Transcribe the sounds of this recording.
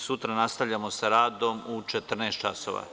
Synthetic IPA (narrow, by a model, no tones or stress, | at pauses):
sut̪ɾanast̪aʋʎamosaɾaːd̪o̞mut͡ʃet̪r̩neːst̪̚t͡ʃaso̰ʋa̰